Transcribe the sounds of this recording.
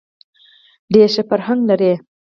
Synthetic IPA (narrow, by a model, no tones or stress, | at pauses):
d̪eʃefaɾhaŋɡlaɾe